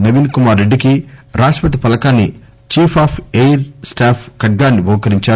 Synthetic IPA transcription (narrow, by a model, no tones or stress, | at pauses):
nɐʋiːnkumaːɾːeɖːikiɾaːʂʈɐpɐt̪̬ipɐlɐkaːnːi | t͡ʃiːpʰaːpʰejɾsʈaːpʰkɐʈ̚ɡaːnːibɐwkɐɾiɲt͡ʃaː